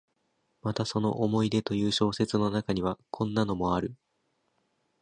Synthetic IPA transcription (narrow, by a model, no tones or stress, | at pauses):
mat̪aso̞no̞ʔomo̞id̪e̞t̪o̞jɯ̟ːɕo̞ːse̞t͡sɨno̞nakaɲ̟iβakʰõ̞nːano̞mo̞aɾɯ̟